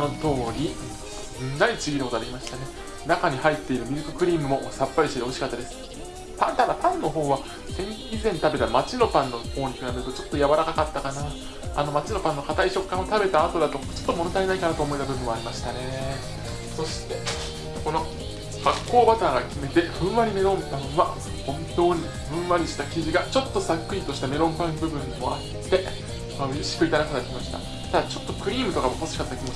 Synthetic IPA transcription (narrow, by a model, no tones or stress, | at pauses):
no̞t̪o̞ːɾʲi | ait͡sɨɡʲinɯkot̪oaɾʲimaɕi̥t̪ane̞ | nakaɲ̟ihait̪ːe̞iɾɯ̟mʲiɾɯ̟k̪okɯ̟ɾʲiːmɯ̟mo̞sapːaɾʲiɕt̪eeɦo̞ɕi̥kat̪ːad̪e̞sɨ̥ | pãnt̪anapãnːo̞ɦo̞ːβa | zẽ̞ɲ | izẽ̞nt̪abe̞t̪amat͡ɕino̞pãnːo̞ho̞ːɲ̟ikɯ̟ɾabeɾt̪ot͡ɕo̞t̪ːo̞jaβaɾakakat̪ːakana | a̰no̞mat͡ɕino̞pãnːo̞kat̪aiɕo̞kːãɰ̃o̞t̪abe̞t̪aːt̪o̞d̪at̪o̞t͡ɕo̞̥t̪ːomonot̪aenaikanat̪oːmo̞it̪abɯ̟bɯ̟̃ɰ̃βaːɾʲimaɕi̥t̪ane̞e | so̞ɕi̥t̪e̞ | ko̞no̞ | hakːo̞ːbat̪aːŋɡakʲime̞t̪e̞ɸɯ̟̃ɰ̃βaɾʲime̞ɾõ̞mpãɰ̃βa | hõ̞nt̪o̞ːɲ̟i | ɸɯ̟̃ɰ̃βaɾʲiɕi̥t̪akʲiʑiɡat͡ɕo̞t̪ːo̞sakːɯ̟it̪o̞ɕi̥t̪ame̞ɾõ̞mpãmbɯ̟bɯ̟̃nːmoa | t̪ːe̞ | maɯ̟iɕi̥kɯ̟ɾit̪aɾakat̪akʲimaɕi̥t̪a̰ | t̪ad̪at͡ɕo̞t̪ːo̞kɯ̟ɾʲiːmɯ̟t̪o̞kamoposɨ̥i̥kat̪ːakʲimo